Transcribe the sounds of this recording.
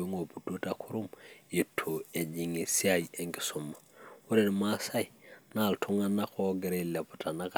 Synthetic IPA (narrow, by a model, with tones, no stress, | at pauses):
i˦ŋo˨pu˨do˦takʰu˦ɾu˦mje˨tʰo˨e˨ɲi˨ŋi˨si˦ajie˨ŋki̥˨sumːawu˦ɾe˨nma˦sa˦i˨na˨ltʰu˦ŋanːakʰo˦ɡɛ˨ɾela˨pu˨ta˨na˦ka˨